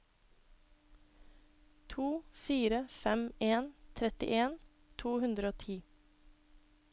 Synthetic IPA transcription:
t̪ʰuːfiːɾəfɛmeːnt̪ʰɾɛt̪ɪ̰ʔeːn | t̪ʰuːhʉnd̪ɾəoːt̪ʰiː

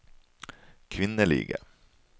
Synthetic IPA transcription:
kʰvɪnːəɭḭːɡə̰

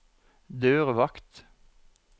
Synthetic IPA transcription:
d̪øːʁʋɑkt̪

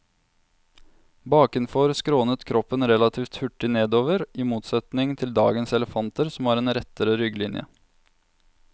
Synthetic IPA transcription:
bɑːkɪnfɔɾskɾoːnət̪kʰɾɔpːənɾɛlɑt̪ʰiːft̪hʉʈːɪneːd̪oːʋəɾiːmuːt̪sɛt̪nɪŋt̪ʰɪld̪ɑ̰ːɡənsɛləfɑnt̪əɾsɔmhɑːɾeːnɾɛt̪əɾəɾʏɡlɪnjə̰

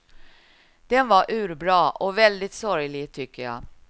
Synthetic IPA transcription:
d̪̥ɛnvɑɾʔʉ̟ːɾbɾɑːʔɔvɛld̪ɪt̪sɔɾjlɪɡt̪ʰʏkːəjɑ̰ː

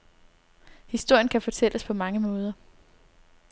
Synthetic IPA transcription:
hisd̥o̝ɐ̰jənkʰæfɒ̽t͡sʰel̰əspʰɒ̽mɑ̈ŋəmɔ̽ːð̞ˠɐ

